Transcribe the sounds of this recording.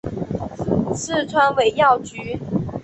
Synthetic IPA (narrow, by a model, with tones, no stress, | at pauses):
sɹ̩˥˩t͡sʰwa˥nwe˨˩ɪjɑ˥˨ʊt͡ɕy˨˧˥